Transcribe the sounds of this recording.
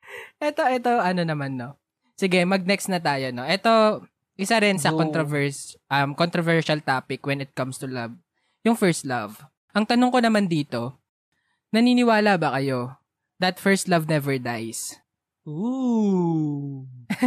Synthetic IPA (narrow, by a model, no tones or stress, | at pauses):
ʔɛt̪oʔɛt̪o̞ʔɐno̞nɐmanːo̞ | sɪɡɛmɐɡ̚nɛkst̪nɐt̪aːjono̞ʔɛt̪o̞ | ʔɪsɐɾɛnsɐkonk̪ɾovɛɹsʔɐmkont̪ɾovɛɹʃɐlt̪aːpɪkwɛnɪt̪̚kɐmst̪ʊlɐv | jʊŋfɛɹst̪lɐv | ʔɐŋt̪ɐnʊŋkonɐmand̪iːt̪o̞ | nɐniːnɪwaːlabɐkɐjo̞ | d̪ɐt̪fɛɹst̪lɐvnɛvɛɹd̪ajs | o